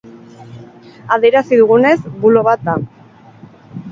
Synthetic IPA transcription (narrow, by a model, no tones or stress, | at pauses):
aðe̞ɾasiðuɣune̞zbulo̞βat̪a